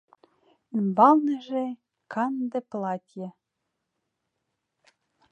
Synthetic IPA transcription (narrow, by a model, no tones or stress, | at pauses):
imbɑlˠnɤ̆ʒe | kʰɑnd̪ĕplˠɑt̪ʲjĕ